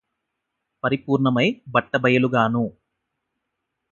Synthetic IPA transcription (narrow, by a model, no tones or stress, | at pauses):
pɐɾipuːɾɳɐmɐjbɐʈːɐbɐjɐluɡaːnu